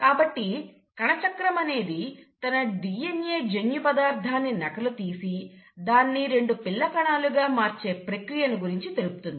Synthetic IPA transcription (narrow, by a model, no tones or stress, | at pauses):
kaːbɐʈːi | kɐɳɐt͡ʃɐkɾɐmɐne̞ːd̪it̪ɐnɐɖijenje̞ːd͡ʒenjupɐd̪aːɾd̪ʱaːnːinɐkɐlut̪iːsid̪aːnːiɾe̞ɳɖupilːɐkɐɳaːluɡaːmaːɾt͡ʃe̞ːpɾɐkɾijɐnuɡuɾiɲt͡ʃit̪e̞lupu̥t̪und̪ii